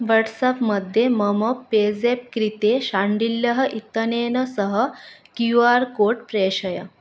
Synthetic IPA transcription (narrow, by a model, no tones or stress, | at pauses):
ʋəɾʈsəpməd̪ʱjeməməːed͡zep̚kɾit̪eɕaɳɖiljəɦəʔit̪ːənenəsəɦəkjuaɾkoʈpɾeɕəjə